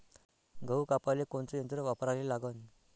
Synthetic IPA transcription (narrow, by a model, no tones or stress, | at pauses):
ɡʱəwkapalekoɳt͡səjənt̪ɾəʋapɾalelaɡən